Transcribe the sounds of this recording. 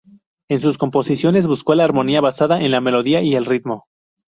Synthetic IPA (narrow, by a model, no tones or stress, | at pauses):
ensusko̞mpo̞sisjo̞ne̞zβusko̞laːɾmo̞niaβasaðaʔe̞nlame̞lo̞ðiaʔie̞lrit̪mo̞